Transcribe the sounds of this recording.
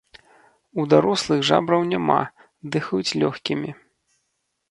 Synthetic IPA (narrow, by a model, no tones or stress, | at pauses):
ud̪aɾɔslˠɨɣʐa̰bɾɐwnʲama̰ | d̪ɨxɐjut͡sʲlʲɔxkʲimʲi